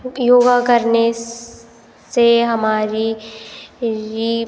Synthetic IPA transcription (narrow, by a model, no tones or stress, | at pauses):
joːɡakəɾne | seɦɐmaːɾi | ɾi